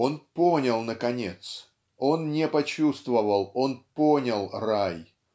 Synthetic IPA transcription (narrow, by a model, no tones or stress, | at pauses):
o̞nponʲəlˠnəkɐnʲet̪s | o̞nnʲɪpɐt͡ɕust̪vəvəlˠo̞nponʲəlˠraj